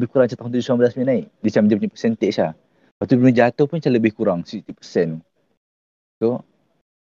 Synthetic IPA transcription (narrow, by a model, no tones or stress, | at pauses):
bɪhkuɾaŋt͡ʃat̪aɦunt̪ud͡ʒusuambəlasminaiʔdisamd͡ʒapuɲapə̥sɛnt̪ɛʔsa | wat̪upunəd͡ʒat̪ʊhpʊnt͡ʃaləbɪhkuɾaŋsit̪ipəsɛn | t̪o